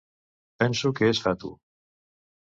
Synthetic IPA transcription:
pɛnsokeɛsfat̪ṵ

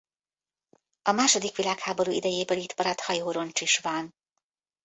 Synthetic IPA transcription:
ɒmaːʃo̞d̪ikʋilaːkhaːbo̞ɾuḭd̪ɛjeːbøːlit̪pɒɾɒt̪hɒjoːɾo̞nt͡ʃiʃʋɒn

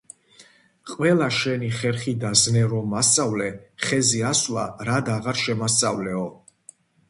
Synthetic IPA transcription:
qʼwɛlaʃɛniχɛɾχid̪aznɛɾɔmast̪ʼavlɛχɛziaslaɾad̪aʁaɾʃɛmasʼavlɛɔ

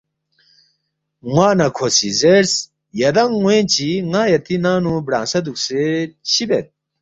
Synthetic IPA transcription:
ŋwaːnɐkʰosḭzeɾs | jɐd̪ɐŋːwẽnt͡ɕiŋaːjɐt̪inaːnubɽã̰ːnsɐd̪ukseɕibet̪̚

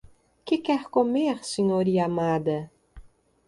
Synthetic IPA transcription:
kɪkɛɾkomeɾseɲoɾiamad̪ɐ

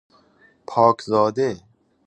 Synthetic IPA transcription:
pʰɔːkzɔːd̪e

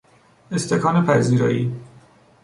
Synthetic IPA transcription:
est̪ekʰɒːnepʰæziːɾɒ̰ːʔiː

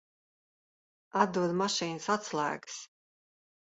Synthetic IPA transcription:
ad̪uɔd̪maʃiːnsat̪slˠa̰ːɡs

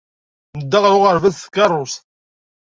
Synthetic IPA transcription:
nəd̪ːɑʁɾʊʁəɾvæðθkːɑrˤːʊst̪

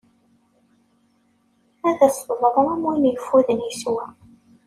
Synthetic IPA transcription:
æðæsðˤɾˤɾæmwinjəfuðənjiswæ

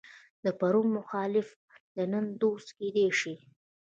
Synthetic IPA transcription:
d̪əpaɾumːʊxɑlɪf | d̪ənənd̪ost̪ked̪eʂi

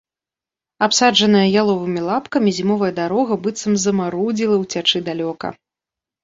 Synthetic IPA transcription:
apsad͡ʐɐnɐjɐjalˠɔvɨmʲilˠapkɐmʲizʲimɔvɐjɐd̪aɾɔɣɐbɨt̪sɐmzɐmaɾud͡zʲilˠɐwt͡sʲat͡ʂɨd̪alʲɔkɐ̰

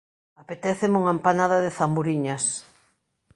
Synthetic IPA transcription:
apet̪ɛθemuŋampanaðaðɪθambuɾiɲɐs

